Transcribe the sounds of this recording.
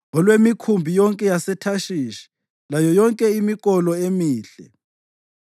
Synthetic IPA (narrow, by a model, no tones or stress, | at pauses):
ɔlwemikʰumbʱijɔŋkʼɛjasɛtʰaʃiːʃi̥ | lajɔjɔŋkʼɛimik̬ʼɔlɔemiːɬɛ̰